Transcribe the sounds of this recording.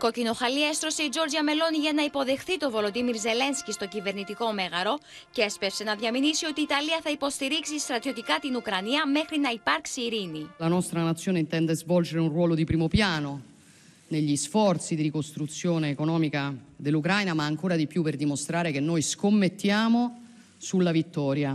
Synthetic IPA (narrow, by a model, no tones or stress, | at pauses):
ko̞cino̞xɐliɐest̪ɾo̞seid͡ʒo̞ɾd͡ʒiɐme̞lo̞niʝɐnɐipo̞ðe̞xθit̪o̞vo̞lo̞d̪imiɾze̞le̞nscist̪o̞cive̞ɾnit̪iko̞me̞ɣɐɾo̞ | cespefse̞nɐðjɐminisio̞t̪iːt̪ɐliɐθɐipo̞st̪iɾiksist̪ɾɐt̪ijot̪ikɐt̪inukɾɐniɐme̞xɾinɐipɐɾksiːɾinilanɔst̪ɾanat̪sːjoːneint̪ɛnd̪ezvɔld͡ʒeɾeunrwɔːlod̪ipɾiːmopjaːno | neʎːisfɔrt̪sid̪iɾikost̪ɾut̪sːjoːneːkonɔːmikad̪elːukɾajnamaːŋkoːɾad̪ipjupːerd̪imost̪ɾaːɾek̟enːojskomːet̪ːjaːmo | sulːavit̪ːɔːɾja